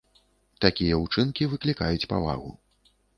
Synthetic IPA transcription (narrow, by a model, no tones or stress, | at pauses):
t̪akʲijɛut͡ʂɨnkʲivɨklʲikajut͡sʲpa̰va̰ɣṵ